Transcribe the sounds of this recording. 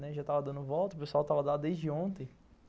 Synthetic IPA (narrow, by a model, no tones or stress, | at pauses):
nɛʒat̪avɐd̪ɐ̃nʊvɔwt̪ʊpesʊawt̪avɐlad̪ejzd͡ʒɪõnt̪ẽj̃